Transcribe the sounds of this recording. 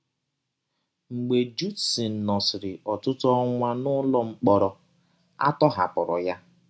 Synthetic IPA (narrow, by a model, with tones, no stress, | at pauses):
ŋ͡m̩˨ɡ͡be˨d͡ʒu˦tsi˨n̩˨nɔ˨sɪ˨ɾɪ˨ʔɔ˨tʊ˦tɔ˦ŋʷa˦nʊ˦lɔ˦ŋ͡m̩˦k͡pɔ˨ɾɔ˨ | a̰˦tɔ˦ɦa̰˨pɔ˨ɾɔ̰˨ja˦